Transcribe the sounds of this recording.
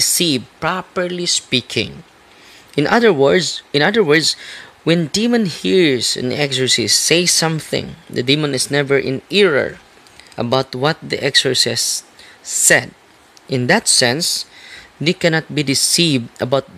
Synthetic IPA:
ɪsivpɹɑpəɹlispikʰɪ̰̃ŋ | ɪ̃nʔʌðə˞wdɪ̃nʌðə˞wəɹdswɛ̃nd̪imãnhiɹsɨ̰̃nɛksə˞sisːeɪsʌ̃mθɪ̰̃ŋd̪ɨd̪imə̃nɪsnɛvəɹʔɪ̰̃nɪɹə̰˞ | ʔə̰baʊt̪wʌt̪̚d̪ḭʔɛksə˞sɪsː | ɛd̪̚ | ʔɪ̃nd̪at̪sɛ̃ns | ðekɛnat̪̚bid̪ɪsivd̪əbaʊt̪̚

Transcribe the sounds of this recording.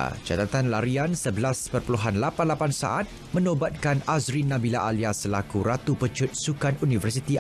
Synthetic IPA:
t͡ʃa̰t̪at̪anlaɾiansəbəlaspərpəluɦanlapanlapansa̰ʔat̪̚ | mə̃nobat̪̚kanazɾinãbilaʔaliasəlakuɾat̪upət͡ʃʊt̪̚sukanunivərsit̪i

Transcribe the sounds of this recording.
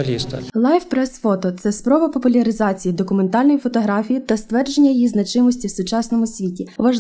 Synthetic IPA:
lʲist̪ɐ̰lˠɑjfpɾɛsfɔt̪ɔt̪sɛspɾɔʋɐpɔpʊlʲɐɾɪzɑt͡sʲijid̪ɔkʊme̞nt̪ɑlʲnɔjifɔt̪ɔɦɾɑfʲijit̪ɐst̪ʋɛrd͡ʒe̞nʲːɐjijiznɐt͡ʃɪmɔsʲtʲiwsʊt͡ʃɑsnɔmʊsʲʋʲitʲiʋɐʒ

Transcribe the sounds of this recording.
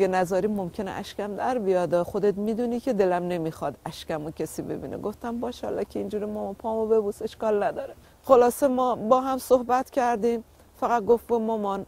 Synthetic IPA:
enæzɒːɾiːmomcʰe̞neʔæ̰ʃcʲæmd̪æɾbijɒːd̪ɒxod̪et̪miːd̪uːniːkʲʰe̞d̪e̞læmne̞miːxɒd̪æʃcæmocʰesiːbe̞̰bḭːnʔḛɡoft̪æmbɒːʃhɑ̰lːɒ̰ːkʲʰeind͡ʒuːɾimɔmpʰɒːmobe̞buːse̞ʃkɒːlnæd̪ɒːɾe | xolɒːse̞mɒːbɒːɦæmsohbæt̪cʲʰæɾd̪ĩːm | fæɣæt̪̚ɡoftbumomɒːn

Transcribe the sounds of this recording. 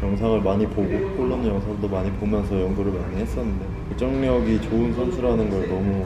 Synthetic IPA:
jʌŋsʰaŋɯɭmaɲipoɡok͈oɭːʌnɯnjʌŋsʰaŋdomaɲipomjʌnsʰʌjʌŋɡuɾɯɭmaɲiɦe̞s͈ʌnːɯnde̞kuk̚t͡ɕ͈ʌŋɲʌɡit͡ɕoɯnsʰonsʰuɾanɯnɡʌɭnʌmu

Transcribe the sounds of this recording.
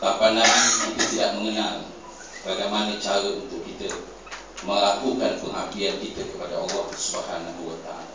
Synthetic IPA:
t̪apandankit̪ət̪idaʔməŋənal | baɡajmanət͡ʃaɾəunt̪ʊkːit̪ə | məŋlakukanpəŋɦakiankit̪əkəpadaa̰lːɔhpərsəbaɦanabuwət̪a̰la

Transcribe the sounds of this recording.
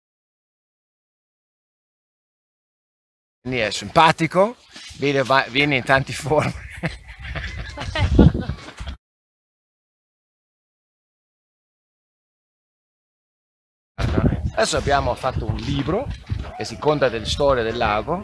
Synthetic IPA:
nd̪iɛsːimpaːt̪iko | vɛnevavjɛːneint̪ant̪iforme | aa̰ad̪ɛsːoabːjaːmofat̪ːounliːbɾok̟esːikont̪ad̪elest̪ɔːɾjad̪elːaːɡo

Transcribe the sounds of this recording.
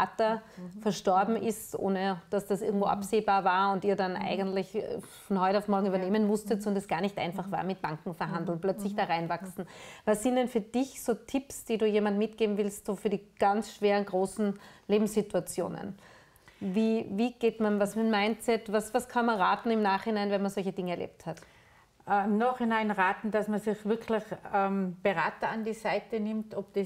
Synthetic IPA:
ʔatɐfɛɐʃtɔɐbm̩ʔɪstʔo̰ːnəd̥asd̥asʔɪ̰ɐɡŋ̩tvo̰ʔa̰pseːbaːɐvaːɐʊntiːɐdanʔa̰ɪɡəntlɪçfɔnhɔʏtaʊfmɔɐɡŋ̩yːbɐneːmənmʊstətsɔndɛsɡ̥aːɐnɪçtʔã̰ɪnfaχv̥a̰ːɐmɪt̚b̥aŋkŋ̩fɛɐɦandl̩nplœt͡slɪçd̥aːʁaɪnvaksn̩vasːɪntd̥ɛnfyːɐd̥ɪçsoːtʰɪpsd̥iːduːjeːmantmɪtɡ̥eːbm̩vɪlstsoːfyːɐdiːɡ̥ansʃv̥eːʁənɡʁoːsn̩leːbm̩sːɪtuat͡sjo̰ːnə̰n | viːviːɡ̥eːtmanvasmɪnmaɪnt͡sɛtvasvaskʰanmɐnʁaːtn̩ɪmnaːχhɪnaɪnvɛnmɐnzɔlçəd̥ɪŋəɛɐlʔḛːp̚that | ʔɛɪmnaːχhɪnaɪnʁaːtn̩d̥asmɐsɪçv̥ɪɐkʰlɪçɛmb̥əʁaːtɐandiːsaɪtənɪmtɔp̚d̥i

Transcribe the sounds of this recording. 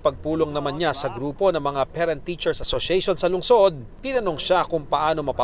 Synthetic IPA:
pɐɡ̚puːlo̞ŋnɐmanɲasɐɡɾuːpo̞nɐŋmɐŋapɛɾɐnt̪ːiːt͡ʃɛɹsʔɐsoʃɛjʃonsɐlʊŋso̞d̪̚t̪ɪnɐnoŋʃakʊŋpɐʔaːno̞mɐpa

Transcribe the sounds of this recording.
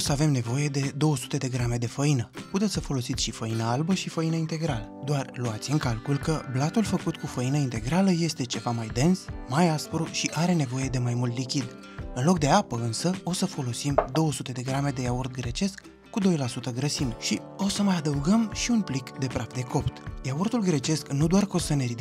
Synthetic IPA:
səave̞mne̞vo̞je̞d̪e̞d̪o̞wəsu̥t̪e̞d̪e̞ɡɾame̞d̪e̞fəinəput̪et̪səfo̞lo̞sit̪sʲʃifəinəalbəʃifəinəint̪e̞ɡɾaləd̪oarluat̪sʲɨŋkalkulkəblat̪ulfəkut̪kufəinəint̪e̞ɡɾaləje̞st̪e̞t͡ʃe̞vamajd̪e̞nsmajaspɾuʃiʔaɾe̞ne̞vo̞je̞d̪e̞majmult̪likʲid̪ | ɨnlo̞k̚d̪e̞apəɨnsəo̞səfo̞lo̞simd̪o̞wəsut̪e̞d̪e̞ɡɾame̞d̪e̞jaurt̪̚ɡɾe̞t͡ʃe̞skː | ud̪o̞jlasut̪əɡɾəsimʃi | o̞səmajad̪əuɡəmʃiunplikd̪e̞pɾat̪d̪e̞ko̞pt̪jaurt̪ulɡɾe̞t͡ʃe̞sknud̪oarko̞səne̞ɾid̪i

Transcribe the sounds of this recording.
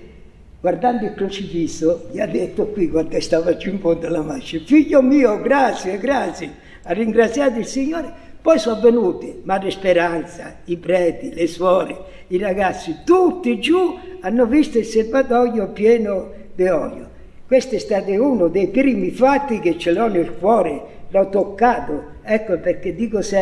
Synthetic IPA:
ɡ̥ward̪and̪ʊilkɾut͡ʃifiːsːʊʎiad̪ːet̪ːʊkwikwant̪ɛst̪aːvad͡ʒuimpɔd̪alamaʃːɪfiʎːomiːoɡɾat̪sjɛɡɾat̪sjɪ | arːiŋɡɾat̪sːjaːt̪̬ʊilsiɲːoːɾɪpɔjsɔ̃avːenuːt̪ɪmarːɪspeɾant̪sa̰ipɾɛːt̪ilɪswɔːɾɪ | iraɡat̪sːit̪ut̪ːɪd͡ʒuanːʊvist̪ʊilselvat̪ɔjopjɛːnʊ | d̪ɪɔʎːʊ | kwest̪ɛst̪aːt̪ɪunʊd̪ejpɾiːmifat̪ːik̟ɪt͡ʃːɪlɔnilkwɔːɾɪlɔt̪ːokːaːt̪ʊɛkːopeɾk̟ːed̪ːikʊsɛ

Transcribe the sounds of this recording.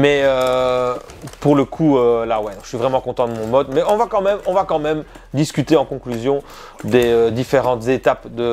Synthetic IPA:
mɛø | puʁləkʰuølawɛd̪ɔ̃kəʃɥivʁɛmɑ̃kɔ̃t̪ɑ̃d̪əmɔ̃mɔd̪mɛɔ̃vakɑ̃mɛmɔ̃vakɑ̃mɛm | d̪iskʲyt̪eɑ̃kɔ̃klyzjɔ̃ | d̪eød̪ifeʁɑ̃t̪zet̪apd̪ə

